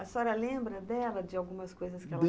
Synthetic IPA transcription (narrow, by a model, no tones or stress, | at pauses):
ɐsɔɾɐlẽmbɾɐd̪ɛlɐd͡ʒɪawɡũmɐskojzɐskɪɛlɐ